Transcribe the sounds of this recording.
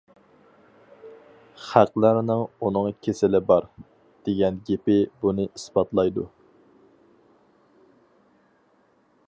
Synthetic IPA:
χæqlˠæɾnɨŋunɨŋkʲʰesɪlɪbɑɾ | d̪̥eɡʲɛnɡʲepɪbunɨʔisbɑt̪lˠɑjd̪u

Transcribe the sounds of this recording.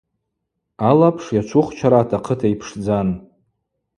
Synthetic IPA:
alapʰʂjat͡ʃʷʰʊχt͡ʃʷʰaɾaːtʰaqʰətʰaipʰʂd͡zan

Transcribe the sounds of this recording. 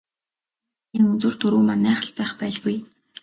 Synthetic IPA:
enɵnt͡swŭr̥t̪ʰɵɾuːmanæːχə̆ɮpæːχpæːɮɣuj

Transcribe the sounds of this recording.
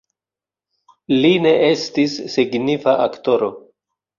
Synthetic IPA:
line̞ʔe̞stisːiɡnifaʔakto̞ɾo̞

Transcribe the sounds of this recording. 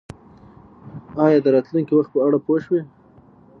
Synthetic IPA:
ɑjɑd̪əɾɑt̪luŋkiwaxt̪̚pəaɽapoʃwe

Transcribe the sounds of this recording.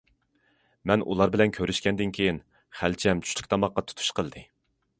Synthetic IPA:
mɛnʔṵlˠɑɾbɪlɛnkʲʰøɾyʃkʲɛnd̪ɪnkʲʰejin | χælt͡ʃʰɛmt͡ʃʰy̥ʃlʰyk̚ʲt̪ʰɑmɑqːɑt̪ʰu̥t̪ʰu̥ʃqəlˠd̪ɨ

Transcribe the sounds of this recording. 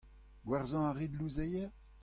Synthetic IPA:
ɡwaʁzɑ̃aʁid̪luzejɛʁ

